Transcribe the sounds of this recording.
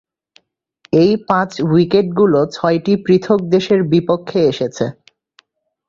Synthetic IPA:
ejpãt͡ɕwikeʈ̚ɡulot͡ɕʰɔeʈipɾit̪ʰok̚d̪eʃeɾbipokʰːeeʃet͡ɕʰe

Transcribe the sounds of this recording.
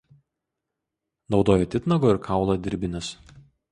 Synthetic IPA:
nɒʊd̪oːjɛt̪ʲɪt̪nɐɡoːɪɾkʰɑˑʊlˠɐd̪ʲɪɾʲbʲɪnʲɛs

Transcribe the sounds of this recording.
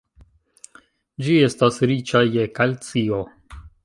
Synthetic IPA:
d͡ʒie̞stasɾit͡ʃajekalt͡sio

